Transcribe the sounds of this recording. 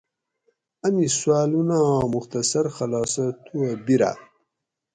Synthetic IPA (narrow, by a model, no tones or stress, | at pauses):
ɐmiswaːlunãːmuxt̪ɐsɐɾxɐlɑːsɐt̪ʰuɐbiɾa̰